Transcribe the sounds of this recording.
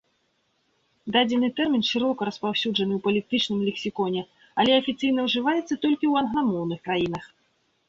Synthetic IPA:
d̪ad͡zʲɛnːɨt̪ɛrmʲinʂɨɾɔkɐɾɐspawsʲuʐɐnɨwpɐlʲit̪ɨt͡ʂnɨmlʲɛksʲikɔnʲɛ | ɐlʲɛɐfʲit̪sɨjnɐwʐɨvajɛt̪sːɐt̪ɔlʲkʲiwɐnɣlˠamɔwnɨxkɾajinɐx

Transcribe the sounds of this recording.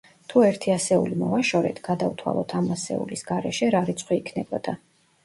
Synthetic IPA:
t̪ʰuɛɾt̪ʰiasɛulimɔvaʃɔɾɛ̰t̪ʰɡ̥ad̪avt̪ʰwa̰lˠɔt̪ʰamasɛ̰ṵlisɡ̥aɾɛʃɛɾaɾit̪sʰχwiːkʰnɛbɔd̪̥a

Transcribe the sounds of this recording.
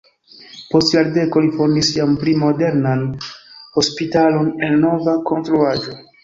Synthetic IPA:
postlaɾdekolifoɾnisianplimo̞deɾnanhospitalo̞nennovakʰontɾuad͡ʒo̞

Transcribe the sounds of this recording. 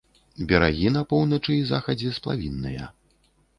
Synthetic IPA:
bʲɛɾa̰ɣʲinɐpɔwnɐt͡ʂɨizaxɐd͡zʲɛsplˠa̰vʲinːɨjɐ̰

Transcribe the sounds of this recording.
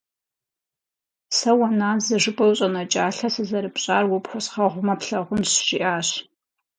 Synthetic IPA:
sɐwɐnaːnzɐʒɨpʼɐwɕʼɐnɐt͡ʃʼaːɬɐsɨzɐɾɨpʼɕʼaːrwʊpxʷɔsχɐʁʷʊmɐpɬɐʁʷʊnsɕiʔaːɕ

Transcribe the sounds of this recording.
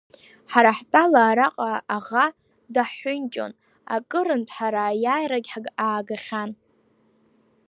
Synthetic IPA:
ħaɾaħtʼalaːɾaqʼaaʁa | daħʊnt͡ʃʼo̞̰n | a̰kʼɨɾɨntʰʼħaɾajaːjɾaɡʲħɡaːɡaχʲan

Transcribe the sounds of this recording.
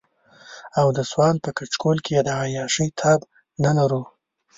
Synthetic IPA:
awd̪əswɑn̚pəkat͡ʃkolkejed̪əajɑʂəjt̪ʰɑb | nalaɾu

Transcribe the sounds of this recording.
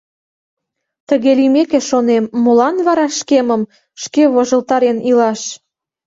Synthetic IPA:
t̪əɣelimekeʃonemːolɑnβɑɾɑʃkeməm | ʃkeβoʒə̆lt̪ɑɾenilɑʃ

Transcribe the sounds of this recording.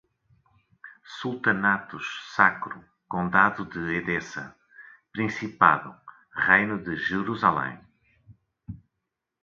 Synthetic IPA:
sulˠt̪ɐnat̪uʃsakɾu | kõd̪aðuðɨeðesɐ̰ | pɾĩsipaðṵ | ʁejnuðɨʒɨɾuzalˠḛ̃

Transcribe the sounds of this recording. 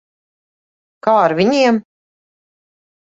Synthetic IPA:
kaːaɾvʲiɲiɛm

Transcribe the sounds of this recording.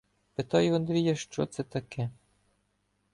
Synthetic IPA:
pet̪ɑjʊɐnd̪ɾʲijɐʃt͡ʃɔt̪sɛt̪ɐkʰɛ

